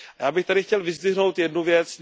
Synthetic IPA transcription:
ajaːbɪxt̪adɪxcɛlvɪzdɪɦno̞wt̪jɛdnuvjɛt͡sn

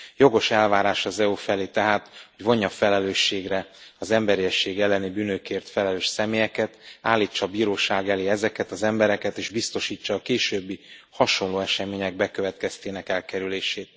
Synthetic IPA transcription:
jo̞ɡo̞ʃɛlvaːɾaːʃɒzɛufɛleːt̪ɛɦaːt̪ho̞ɟvo̞ɲːɒfɛlɛløːʃːeːɡrɛɒzɛmbɛɾiɛʃːeːɡɛlːɛnibyːnøkeːrt̪fɛlɛløːʃsɛmeːjɛkɛt̪a̰ːlːiːt͡ʃːɒːbiːɾoːʃaːɡɛleːɛzɛkɛt̪ɒzɛmbɛɾɛkɛt̪eːʒbist̪o̞ʃiːt͡ʃːɒːkeːʃøːbːihɒʃo̞nloːɛʃɛmeːɲɛɡ̚bɛkø̞vɛt̪kɛst̪eːnɛkɛlkɛɾyleːʃeːt̪̚

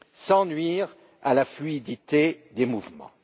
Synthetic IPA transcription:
sɑ̃nɥiːʁ | alaflyid̪it̪ed̪emuvmɑ̰̃

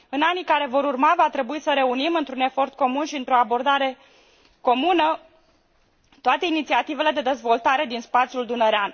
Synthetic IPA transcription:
ɨnanikaɾe̞vo̞ɾurmavat̪ɾe̞buisəɾe̞unimɨnt̪ɾune̞fo̞rt̪̚ko̞munʃiɨnt̪ɾo̞abo̞rd̪aɾe̞ | ko̞munə | t̪oat̪e̞init̪siat̪ive̞le̞d̪e̞d̪e̞zvo̞lt̪aɾe̞d̪inspat̪sʲjuld̪unəɾean

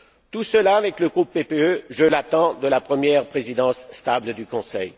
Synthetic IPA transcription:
t̪usəlaːvɛkləɡʁupːepeøʒəlat̪ɑ̃d̪əlapχəmjɛʁpχezid̪ɑ̃sːt̪abld̪ykɔ̃sɛ̰j

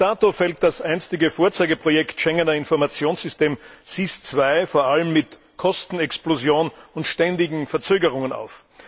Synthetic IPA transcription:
aːtofɛlt̚d̥asʔæɪnstɪɡəfoːɐt͡saɪɡəpʁ̥ojɛktʃɛŋənɐɪnfɔɐmat͡sjoːnsz̥ʏsteːmsist͡sv̥aɪfoːɐʔaləmːɪt | kʰɔstn̩ɛksplozjoːnʊntʃtɛndɪɡŋ̩fɛɐt͡søːɡəʁ̞ʊŋəna̰ʊf

